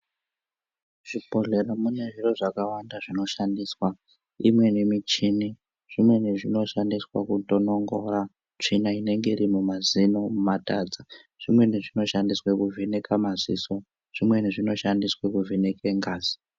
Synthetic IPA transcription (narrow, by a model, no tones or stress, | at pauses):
ʐ̥ipo̞ɮe̞ɾamune̞ʐiroʐakawandaʐino̞ʃandiːswa | ḭmwe̞nimit͡ʃini | ʐ̥imwe̞niʐino̞ʃandiswa̰kutonoŋɡora | t͡ʂinaine̞ŋɡeirimumazino̞mumatad͡za | ʐ̥imwe̞niʐino̞ʃandiswekuvʱenekamazḭso̞ | ʐ̥imwe̞niʐino̞ʃandiswekuvʱinekeŋɡaːzi̥